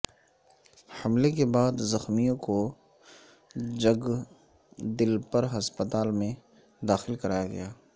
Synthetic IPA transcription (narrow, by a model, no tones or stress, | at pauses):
hɐmlekebaːd̪zɐxmijõko | d͡ʒɐɡ | d̪ɪlpəɾɦɐspət̪aːlmẽ | d̪aːxɪlkɐɾaːjaɡɐ̰jaː